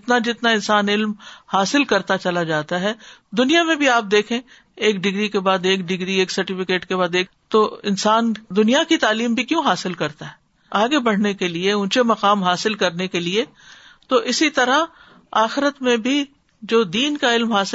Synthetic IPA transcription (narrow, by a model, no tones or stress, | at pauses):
ɪt̪nad͡ʒɪt̪naɪ̃nsaːnɪlmhaːsɪlkɐɾt̪at͡ʃɐlad͡ʒaːt̪aɦɛd̪ʊnijamẽbʱiaːp̚d̪eːkʰẽː | eːkɖɪɡɾikebaːd̪eːk̚ɖɪɡɾieːksɐɾʈɪfɪkeːʈkebaːd̪eːk | t̪oɪ̰nsaːnd̪ʊnijakit̪aːliːmbʱikjõːɦaːsɪlkɐɾt̪aɦɛː | aːɡebɐɽ̤nekelieʊ̃nt͡ʃemɐqaːmɦaːsɪlkɐɾnekelie | t̪oʔɪsit̪ɐɾa | aːxɪɾət̪mẽbʱi | d͡ʒoːd̪iːnkaɪlmɦaːsɪ